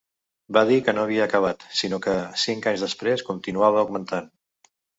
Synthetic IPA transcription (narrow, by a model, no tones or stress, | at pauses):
baðikənoəβiəːkəβ̞at̪sinokəsiŋkaɲzðəspɾeskunt̪inuaβ̞əuɡmənt̪an